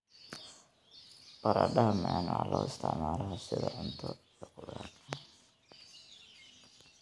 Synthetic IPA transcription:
b̥ɐɾaɖɐɦɐmɛːnalɔɪst̪ʰɪʕmaːlɐɦɔsɪðɐʕʊnt̪ʰɔijɔkʊðaːɐ

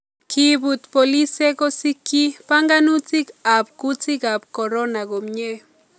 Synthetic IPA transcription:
kʰibut̪polisekosikːipaŋɡanut͡sikap̚kut͡sikap̚koɾonaɡomɲe

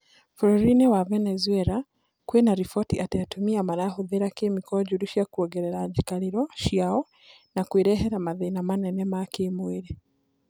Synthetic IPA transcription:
flɔɾinɛwavɛnɛzuɛɾa | kwɛnaɾifɔtiʔatatumiamaɾahuðeɾakemikɔɟuɾuʃjakuɔɡɛɾɛɾad͡ʒikaɾiɾɔʃjaɔ | nakweɾɛɦɛɾamaðɛnamanɛnɛmakemweɾe

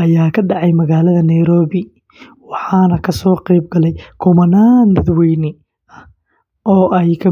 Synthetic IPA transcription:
ʔɐjaːkʰɐɖɑʕɑjmɐɣaːlɐðɐnɐjɾɔːβɪ | wɑħɑːnɐkʰɐsɔːqɛjb̚ɡɐlɛjkʰʊmɐnaːnd̪ɐd̪wɛjnɪ | ɐ | ʔɔːʔɛjkʰɐ

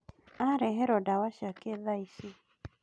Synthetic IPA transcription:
aɾɛɦɛɾɔdawaʃakeðaisi

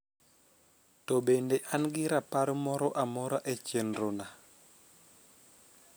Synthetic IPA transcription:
tɔbendeʔanɡiɾapaɾmɔɾɔʔamɔɾaʔet͡ʃenɾona

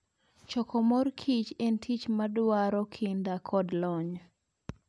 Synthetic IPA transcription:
t͡ʃɔkʰɔmɔrkʰit͡ʃentʰit͡ʃmadwaɾɔkʰindakʰɔdlɔɲ

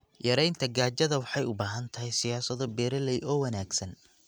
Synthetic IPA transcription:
jɐɾɛjnt̪ʰɐɡaːt͡ʃɐðɐwɑħɑjʊbaːɦɐnt̪ʰɐɦɛjsɪjaːsɐðɔbɛːɾɐlɛjʔɔːwɐnaːɡsɐn

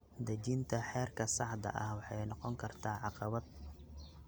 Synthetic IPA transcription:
d̪ɐt͡ʃint̪ʰɐħɛːrkʰɐsɑħd̪ɐ̰ʔɐhwɑħɑjnɑqɔŋkʰɐrt̪ʰaːʕɑqɑβɐd̪̚

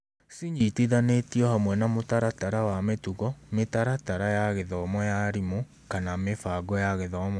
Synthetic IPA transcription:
siɲitiðanetiɔhamwɛnamotaɾataɾawametuɣɔmetaɾataɾajaɣeðɔmɔjaɾimo | kanamefaɡɔjaɣeðɔmɔ

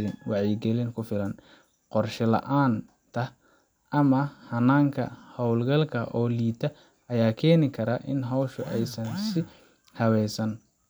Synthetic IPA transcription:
lɪnwɑʕiːɡɛlɪŋkʰʊfɪlɐn | qɔrʃɪlɐ̰ʔaːn | t̪ʰɐ | ɐmɐhɐnaːŋkʰɐ̰hɔwlɡɐlkʰɐʔɔːliːt̪ʰɐ | ɐjaːkʰɛːnɪkʰɐɾaːʔɪnɦɐwʃʊʔɛjsɐnsɪ | hɐwɛjsɐn

